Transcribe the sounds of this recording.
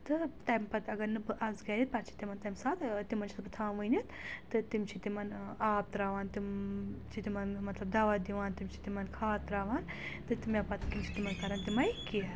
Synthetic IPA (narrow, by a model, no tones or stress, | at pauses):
t̪ɨt̪ɐjmpɐt̪ɐɡɐɾnɨbɨʔɐzɡɐɾit̪̚pɐɾt͡ʃʰi̥t̪imɐnt̪ɐmsaːt̪t̪imɐnt͡ʃʰi̥t̪bɨt̪ʰaːnʋɨjnit̪t̪ɨt̪imt͡ʃʰit̪imɐnaːp̚t̪ɾaːʋaːnt̪imt͡ʃʰit̪imɐnmɐt̪lɐb̚d̪aːʋɐd̪iʋaːnt̪imt͡ʃʰi̥t̪imɐnkʰaːt̪ɾaːʋaːnt̪ɨt̪imɐpɐt̪kimt͡ʃʰi̥t̪imɐnkɐɾɐnt̪imɐjkiɐ